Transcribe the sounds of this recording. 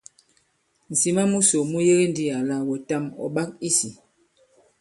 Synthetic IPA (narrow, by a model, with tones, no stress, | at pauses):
n̩˨si˨ma˦mu˦so˨mu˦je˦ɣe˦ndi˦a˨la˦wɔ˨ta˦mɔ̰˨ɓa˦k̚i˦si˨